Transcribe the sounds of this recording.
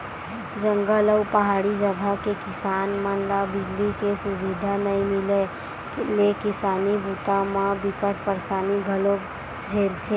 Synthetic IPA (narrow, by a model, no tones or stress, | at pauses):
d͡ʒə̃ŋɡələʊpəɦaːɽid͡ʒəd̪ʱakekɪsaːnmənɾabɪd͡ʒlikesʊbɪd̪ʱanɐĩmɪle | kelekɪsaːnibʱuːt̪amãbɪkəʈ̚ʰpəɾsaːniɡʱəlok | d͡ʒʱeːlt̪ʰe